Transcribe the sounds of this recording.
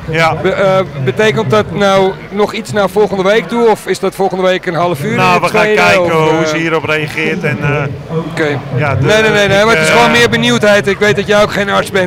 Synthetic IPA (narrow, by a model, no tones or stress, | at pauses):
abəəbəteːkənt̚dɔtnaw | nɔxit͡snafɔlˠɣəndəʋejk̚duəɔfɪsdɔtfɔlˠɣəndəʋeːkənɦɑlˠəfyːnoʋəaeːkɛjɔkəusiːɾɔpreaχɪətɛn | okeːjadnenenejnejmaɪsʋoːnnmɪərbənjuwthɛjtɪkʋejt̚dɔtjɛjokχeːnaɹsbɛnt